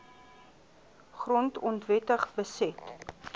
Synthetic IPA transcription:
χrɔntɔntvɛtəχbəsɛt

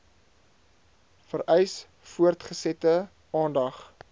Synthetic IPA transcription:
fəɾɛjs | fuərtχəsɛtə | ɑːndɐχ

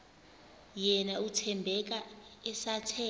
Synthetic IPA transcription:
jɛnautʰɛmbʱɛk̬aɛsatʰɛː

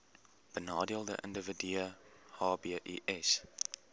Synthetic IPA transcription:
b̥ənɑːdiəlˠdə̰ʔə̰ndəvədiəhɑːbeəʔiʔɛs

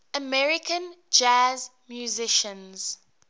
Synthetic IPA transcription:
əmɛɹɪkʰə̃nd͡ʒaz | mjuzɪʃə̃nz̥

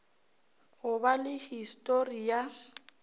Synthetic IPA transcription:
ɣʊbalɪhistʼorija

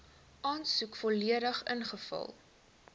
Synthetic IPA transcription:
ʔɑːnsukfɔliəɾəχənχəfɐ̰lˠ

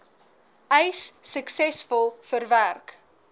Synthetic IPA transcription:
əjsːəksɛsfɔlˠfərværk

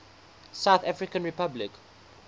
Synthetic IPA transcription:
saʊθafɹɪkə̃nɹipablɪk

